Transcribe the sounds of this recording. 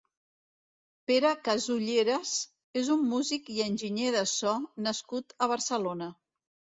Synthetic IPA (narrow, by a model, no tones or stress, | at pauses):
peɾəkəzuʎeɾəs | ezumːuzikiənʲʒiɲeðəsɔnəskut̪əβ̞əɾsəlonə